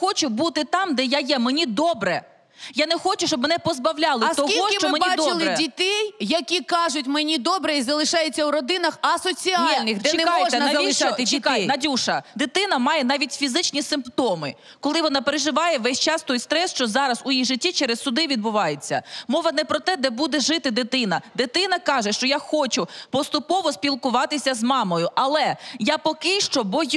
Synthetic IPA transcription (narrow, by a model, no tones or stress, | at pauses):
xɔt͡ʃʊbut̪ɪt̪ɑmd̪ɛjajɛmenʲid̪ɔbɾɛ | janɛxɔt͡ʃʊʃt͡ʃɔbmenɛpɔzbɐwlʲɑlˠɪst̪ɔkiɦɔʃɪmt͡ʃɔmenmiad̪ɔɪlˠɪɛdʲit̪ɛjjɐkʲikɑʒʊtʲmenʲid̪ɔbɾɛizɐlˠɪʃɑjɪt͡sʲːɐwɾɔd̪ɪnɐxɐsɔt͡sʲilʲnɪxɪnajɔɛɐʋɐliɪʃt̪ɪt͡ʃʲikjnɐdʲuʃɐd̪ɪt̪ɪnɐmɑjɛnɑʋʲitʲfʲizɪt͡ʃnʲisɪmpt̪ɔmɪ | kɔlˠɪʋɔnɑpeɾeʒɪʋɑjɛʋɛsʲt͡ʃɑst̪ɔjst̪ɾɛsʃt͡ʃɔzɑɾɐzʊjijʒɪtʲːit͡ʃɛɾɛsːʊd̪ɪʋʲid̪̚bʊʋɑjet͡sʲːɐ̰mɔʋɐnɛpɾɔt̪ɛd̪ɛbud̪ɛʒɪt̪ɪd̪ɪt̪ɪnɐd̪ɪt̪ɪnɐkɑʒɛʃt͡ʃɔjaxɔt͡ʃʊpɔst̪ʊpɔʋɔspʲilˠkʊʋɑt̪ɪsʲɐzmɑmɔjʊʔɐlˠɛjapɔkɪʃt͡ʃɔbɔj